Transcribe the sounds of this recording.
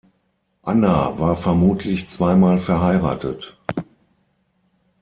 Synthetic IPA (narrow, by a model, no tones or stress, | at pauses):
ʔana̰vaːɐfɛɐmuːtʰlɪçt͡sv̥aɪmaːlfɛɐɦaɪʁa̰ːtət